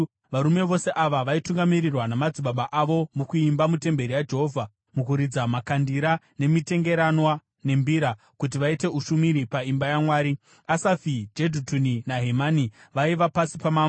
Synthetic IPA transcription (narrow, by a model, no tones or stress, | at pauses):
ʋaɾume̞ʋo̞seʔaʋaʋaituŋɡamirirwanamad͡ziɓaɓaʔaʋo̞mukuimbamute̞mbe̞ɾijad͡ʒe̞ɦo̞vʱa | mukuɾid͡zamakandiɾa | ne̞mite̞ŋɡe̞ɾanwa | ne̞mbiɾa | kut̬iʋaite̞uʃumiɾipaimbajamwaːɾi | asafid͡ʒedʱutuninaɦemaniʋaiʋapasipamaːmo